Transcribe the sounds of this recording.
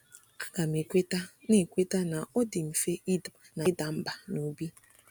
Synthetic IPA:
a˦ɡa˨m˨e˨kʷe˦ta˦ne˦˨kʷe˦ta˦na˨o˦dɪ˨m̩˨fe˦ʔi˦d | na˨˦da˨m̩˦ba˨nu˨˦bi˦

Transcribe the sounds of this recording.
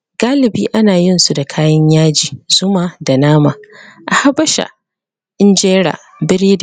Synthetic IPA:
ɡaː˦lɪ˨biː˦ʔa˦naː˨jɪ˦nsu˨da˨kʰaː˦jɐ˦ɲjaː˦d͡ʒiː˨z̥ʊ˦maː˨da˨naː˦maː˨ʔa˨ha˦bɐ˦ʃa̰˨ | ʔɪ˦nd͡ʒeː˦ɽa̰ː˨ | bɪ˦ɾiː˦d

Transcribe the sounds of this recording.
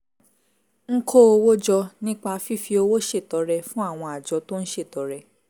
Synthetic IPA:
ŋ̩˦kʰo˦o˧wo˦d͡ʒɔ˧nĩ˦k͡pa˧fi˦fi˧o˧wo˦ʃe˦˨tɔ˨˧˦ɾɛ˧fũ˦a˦˨w̃ɔ̃˧a˨d͡ʒɔ˨˦to˦n̩˦ʃe˦˨tɔ˨˦ɾɛ˧

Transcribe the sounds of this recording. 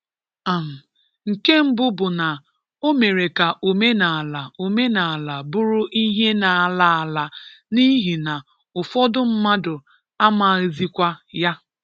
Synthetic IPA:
a˨m̩˨ | ŋ̩˨ke˦m̩˦bʊ˦bʊ˨na˨ | o˦me˨ɾe˨ka˨ʔo˨me˦na˨a˨la˨o˨me˦na˨a˨la˨bʊ˦ɾʊ˦ʔi˦ɦe˦na˨la˦a˨la˨ni˦ɦi˨na˨ | ʊ˨fɔ˦dʊ˦m̩˦ma˦dʊ˨ | a˦ma˨ɣzi˦kʷa˦ja˦

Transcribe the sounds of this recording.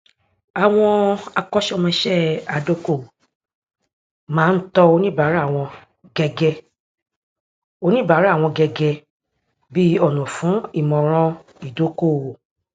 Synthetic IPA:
a˨w̃ɔ̃˧a˧kɔ˦ʃɔ˦˨mɛ̃˧ʃɛ˦˨a˨do˦ko˦˨ | mãː˨˦n̩˦tɔ˧o˧nĩ˦˨ba˨˦ɾa˦a˦˨w̃ɔ̃˧ | ɡɛ˧ɡɛ˧ | o˧nĩ˦˨ba˨˦ɾw̃ɔ̃˧ɡɛ˧ɡɛ˧ | bi˦ɔ˦˨nũ˨fũ˨˦i˦˨mɔ̃˨ɾ̃ɔ̃˧ | i˨do˨˦ko˦˨

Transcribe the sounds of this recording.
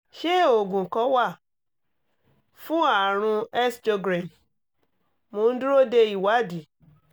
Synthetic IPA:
ʃe˦˨o˨ɡũ˨kɔ˨˦wa˦˨ | fũ˦a˨ɾ̃ũ˧ɛ˦sto˧ɡɾa˨m | mo˨˦n̩˦du˦ɾo˦de˧i˨wa˨˦di˨

